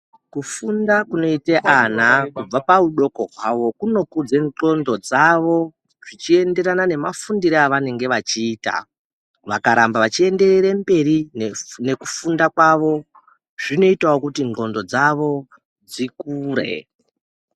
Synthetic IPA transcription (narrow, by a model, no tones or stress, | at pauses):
kufundakuno̞iteʔanakub͡vapauɗo̞ko̞ɦwaʋo̞kuno̞kud͡ze̞ŋo̞ndo̞d͡zaʋo̞ | ʐ̥it͡ʃie̞nde̞ɾanane̞mafundiɾeaʋane̞ŋɡe̞ʋat͡ʃiːta̰ | ʋakaɾambaʋat͡ʃie̞nde̞reɾembe̞ɾine̞ku̥fundakwaʋo̞ | ʐino̞itawokutiŋŋ͡ǃo̞ndo̞d͡zaʋo̞ | d͡zikuːɾe̞̰